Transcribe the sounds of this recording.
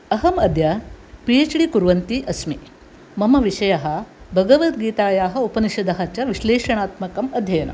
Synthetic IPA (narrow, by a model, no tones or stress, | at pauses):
ɐɦɐmɐd̪ʱjɐpijet͡ʃɽikuɾʋɐnt̪iʔɐsmi | mɐmɐʋiʂɐjɐɦɐ̆bʱɐɡɐʋɐt̪ɡiːt̪aːjaːɦɐ̆upɐniʃɐd̪ɐɦɐt͡ʃɐʋiʃleːʂɐɳaːt̪mɐkɐmɐd̪ʱjɐjɐnɐ̰m